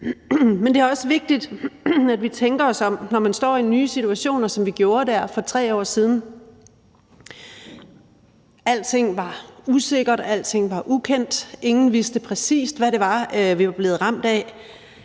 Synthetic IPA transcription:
mend̥e̝æɐɒ̽səʋe̝ɡ̥̚d̥id̥æd̥ʋit͡sʰeŋɡ̥ɐɒ̽sɒ̽mnɒmænsd̥ɒ̰ːinyːsit͡sʰuæɕo̝̰ːnɐsɒ̽mʋiɡ̥jo̝ːɐdæɐ̰fɒ̽t͡sʰʁɛ̰ːɒ̰ːsiːð̞ˠn̩ | æl̰dt͡sʰe̝ŋ̰ʋɑ̈use̝ɡ̥ɐd̥æl̰d̥t͡sʰe̝ŋ̰ʋɑ̈ʔukʰen̰d̥e̝ŋn̩ʋisd̥əpʰʁɛsḭːsd̥ʋæɾe̝ʋɑ̈ʋiʋɑ̈b̥le̝ːð̩ˠʁɑ̈m̰d̥ɛ

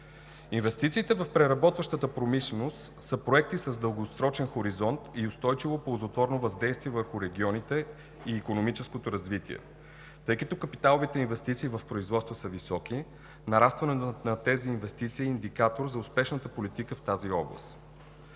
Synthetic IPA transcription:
invɛst̪it̪siːt̪ɛvəfpɾɛɾɐbɔt̪vəʃt̪ət̪əpɾomiʃlɛnost̪səpɾoɛk̚t̪isəzd̪əlˠɡosɾɔt͡ʃɛnxoɾizɔnt̪iʊst̪ɔjt͡ʃivopolˠzot̪vɔɾnovɐzd̪ɛjst̪viɛvəɾxʊɾɛɡʲiɔnit̪ɛ | iːkonomit͡ʃɛskot̪oɾɐzvit̪iɛ̰ | t̪ɤjkət̪okəpit̪alˠovit̪ɛinvɛst̪it̪siːvɐfpɾoizvɔt̪st̪vəsəvisɔki | nɐɾast̪vɐnɛnɐt̪ɛziːnvɛst̪it̪siːnd̪ikat̪oɾzɐʊspɛʃnət̪əpolit̪ikəft̪aziɔblˠə̰st̪

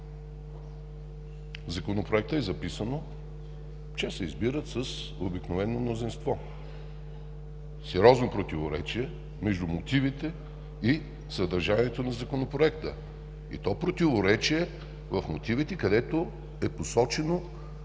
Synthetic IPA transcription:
zɐkonopɾoɛk̚t̪əɛzɐpisəno | t͡ʃɛsɛizbiɾət̪səs | obiknovɛnːomnozinst̪vɔ | sɛɾʲɔznopɾot̪ivoɾɛ̰t͡ʃiɛ | mɛʒd̪umot̪ivit̪ɛ | i | səd̪ɐɾʒaniɛt̪onɐzɐkonopɾoɛkt̪ə̰ | ḭt̪ɔpɾot̪ivoɾɛt͡ʃiɛ | vɐfmot̪ivit̪ɛkɐd̪ɛt̪o | ɛposɔt͡ʃɛno

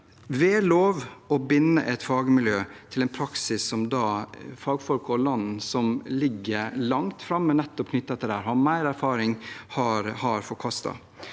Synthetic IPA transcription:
ʋeːloːʋɔbɪnːəʔɛt̪fɑːɡəmɪljøːt̪ʰɪlɛnpʰɾɑksɪsːɔmd̪ɑfɑːɡfɔlkəɔlɑnn̩sɔmlɪɡːəɾlɑŋt̪fɾɑmːənɛt̪ːɔpkʰnʏt̪ːɛt̪ːəɾæːɾhɑmæɪɾæɾfɑːɾɪŋhɑɾhɑɾfɔɾkʰɑst̪ɑ̰

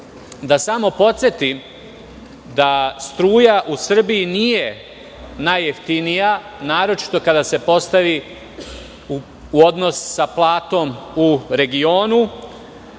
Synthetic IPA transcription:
d̪asamo̞po̞t̪sjet̪im | d̪ast̪ɾuːjaʔusr̩bijinije̞ | najeft̪inija | naːɾo̞t͡ʃi̥t̪o̞kad̪ase̞po̞st̪aʋi | uo̞d̪no̞ssaplˠaːt̪o̞muɾe̞ɡio̞ːnu

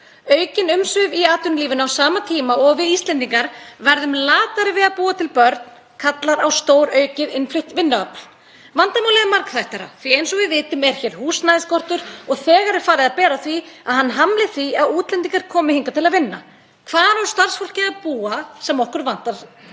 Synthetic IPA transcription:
œːɥcɪnʏmsvʏviaːt̪ʏnliːvɪnawsaːmat̪ʰiːmaɔɣvɪðist̪lɛnt̪iŋkaɾvɛɾðʏmlaːt̪aɾɪvɪðaðpuːat̪ʰɪlpœɾt̪n | kʰat̪laɾawst̪oːwɾœːɥcɪðɪnflɪht̪vɪnːʏœpl̥ | vant̪amawlɛðɪmaɾkθajht̪aɾa̰θviejnsɔɣvɪvɪːt̪ʏmɛɾ̥çɛːɾ̥huːsnajðɪskɔr̥t̪ʏɾ̥ɔɣθɛːɣaɾɪɾ̥faːɾɪðaðpɛːɾaθviaðhanːɦamlɪθviaðuːt̪lɛnt̪̬iŋkaɾ̥kʰɔːmɪhiŋkat̪ʰɪlaðvɪnːa̰ | kʰvaːðnaɾst̪ar̥sfowl̥cɪaðpuːasɛmɔhkʏɾvant̪aɾ̥

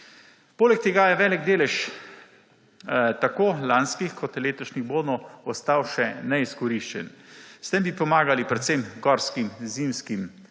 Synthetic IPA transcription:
poːlɛk̚t̪eɡajɛʋɛːlɛɡd̪eːlɛʃ | t̪akoːlanskixkʰɔt̪leːt̪ɔʃniɣboːd̪nɔɔst̪awʃɛnɛiskɔɾiʃt͡ʃɛ̰nst̪ɛmbipɔmaːɡalipɾɛt̪semɡɔɾskimzimskim

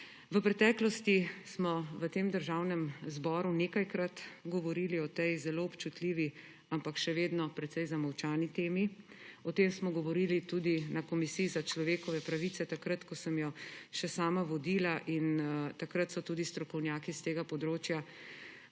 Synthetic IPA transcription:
ʋəpɾɛt̪ɛːklɔst̪ismɔʋət̪eːmd̪əɾʒawnɛmzbɔːɾuneːkajkɾat̪ɡɔʋɔɾiliɔt̪ejzɛloːɔpt͡ʃut̪liʋi | ampakʃɛʋeːd̪nɔpɾɛt̪sɛjzamɔwt͡ʃaːnit̪eːmi | ɔt̪eːmsmɔɡɔʋɔɾilit̪uːd̪inakɔmisiːzat͡ʃlɔʋeːkɔʋɛpɾaʋit̪sɛt̪akɾat̪kɔsəmjɔʃɛsaːmaʋɔd̪ilaʔint̪akɾat̪sɔt̪ud̪ist̪ɾɔkɔwnjaːkist̪eːɡapɔd̪ɾoːt͡ʃja

